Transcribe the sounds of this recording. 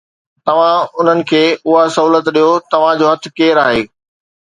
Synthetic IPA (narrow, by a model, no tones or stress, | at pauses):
t̪ɐʋ̤ãʊn̤ənɪ̆kʰeːʊɦasɐɦuːlət̪ɗijot̪ɐʋ̤ãd͡ʑoːɦɐt̪ʰɪ̆keːɾaːɦeː